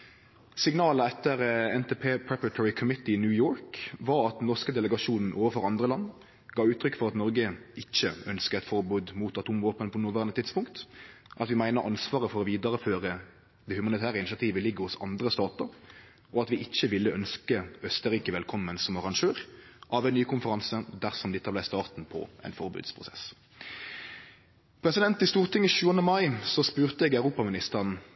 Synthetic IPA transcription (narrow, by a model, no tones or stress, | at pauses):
sɪŋnɑːləɛt̪ːəɾɛnt̪ʰeːpʰeːpʰɹɛpəɾt̪ʰɔɹɪkʰʊmɪt̪ɪɪnjʉːjoːɾkʋɑɾɑt̪d̪ɛnnɔskəd̪ɛləɡɑʂuːnn̩ʔoːʋəfɔɾɑnd̪ʁəlɑnː | ɡ̥ɑːʉːt̪ʰɾʏkːfɔʁɑt̪nɔɾɡəɪçːəœnskəɛt̪fɔɾbʉːd̪muːt̪ɑt̪uːmʋoːpənpʰɔnʊʋæʁənət̪ʰɪt̪spʊŋkt̪ʔɑt̪ʋɪmæɪnəʔɑnsʋɑːʁəfɔɾɔʋiːd̪əʁəføːɾə | d̪ɛhʉmɑnɪt̪ʰæːʁəɪnɪɕɑt̪ʰiːʋəlɪɡːəhʊsɑ̰nd̪ʁəst̪ɑːt̪əɾ | ɔɑt̪ʋɪʔɪçːəʋɪlːəʔœnskəœst̪əɾiːkəʋɛlkʰɔmːənsɔmɑʁɑŋʃøːʁ | ʔɑʋɛɪnnyːkʰʊnfəɾɑnsəd̪æʁsɔmd̪ɪt̪ʰːɑblæɪst̪ɑːʁt̪n̩pʰɔ̰ʔɛ̰ɪnfɔʁbʉ̰ːd̪spʰʁʊsɛ̰s | pʰʁɛsɪd̪ɛnt̪ɪst̪uːʁt̪ʰɪŋːəɕʉːənəmɑɪsɔspʉːʁt̪əɛɡæʉʁuːpɑmɪnɪst̪əʁn